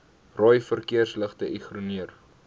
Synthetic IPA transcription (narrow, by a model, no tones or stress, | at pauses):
rɔjfərkiərsləχtəʔiχruniər